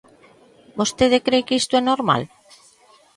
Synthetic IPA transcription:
bost̪eð̞ekɾekist̪oɛnoɾma̰l

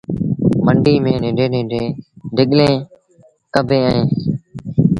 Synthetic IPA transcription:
məɳɖiːmẽːnɪ̃ːɖeːnẽːɖʱeːɖʱɪɠlẽː | kəbʱẽːəẽː

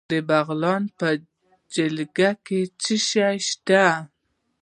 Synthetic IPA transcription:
d̪əbaɣlɑnpə | d͡ʒɪlɡaket͡səʃajʃt̪a

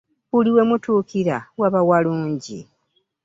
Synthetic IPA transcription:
uliwe̞mutuːkiɾawaβawaluːɲɟḭ

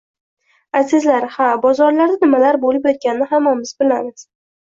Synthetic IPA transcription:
asɪzlaɾhabɒzɒɾlaɾd̪anɪmalaɾbolɪpjɒt̪̚kʲanɪnɪɦamːamɪzbɪlamɪz̥

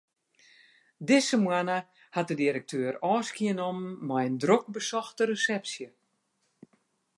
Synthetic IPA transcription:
dɪsəmwanə | hat̚dədiɾək̚tʰøːrɔːskiənɔmːɛjəndrok̚bəsɔxtəɾəsɛpsjə

